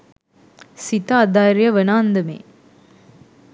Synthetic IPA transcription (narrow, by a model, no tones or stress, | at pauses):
sit̪aːd̪aːɾjɐʋənaːnd̪ɐmḛː